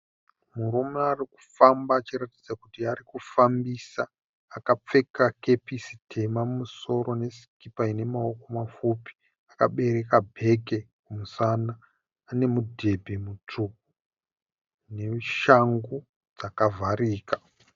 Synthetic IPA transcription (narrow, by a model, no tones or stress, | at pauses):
muɾumeariku̥fambaːt͡ʃiɾatid͡zakutiaɾikufambiːsaː | kap͡fe̞kake̞pisi̥tʰe̞mamumuso̞ɾo̞ne̞si̥kipaine̞mao̞ko̞mafupi̥ | akaɓe̞ɾe̞kabʱe̞kekumusanaː | ne̞mudʱe̞bʱe̞mut͡ʂuk̚u | ne̞ʃaŋɡu | d͡zakavʱaɾiːkḁ